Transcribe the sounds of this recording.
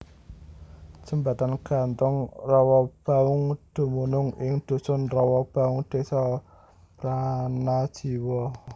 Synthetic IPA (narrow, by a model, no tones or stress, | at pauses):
səmbat̪anɡ̥a̤nt̪ʊŋrɔwɔb̥a̤ʊŋd̪̥o̤munʊŋɪŋd̪̥o̤sɔnrɔwɔb̥a̤ʊŋɖ̪̥e̤sɔ | pɾanad̥ʒ̥i̤wɔ